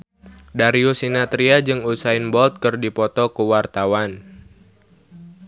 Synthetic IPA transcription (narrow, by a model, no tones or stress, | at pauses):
daɾiusinat̪ɾiad͡ʒɨŋusaɪnbɔlt̪̚kɨrdipɔt̪ɔkuwart̪awan